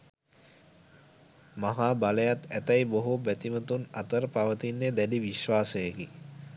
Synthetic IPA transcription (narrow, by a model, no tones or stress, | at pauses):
maɦaːbaləjat̪æt̪ɐjboɦubæt̪imət̪unat̪əɾəpaʋət̪inːed̪æliʋiʃʋaːsəjəɡi